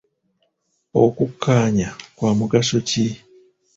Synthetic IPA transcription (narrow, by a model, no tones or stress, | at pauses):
o̞kukʰːaːɲakwaːmuɡaso̞ci